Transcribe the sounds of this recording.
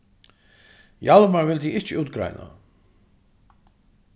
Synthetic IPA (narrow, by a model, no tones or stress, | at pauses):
jalmaɹvɪld̪iɪt͡ʃɪuːt̪ɡɾa̰jna̰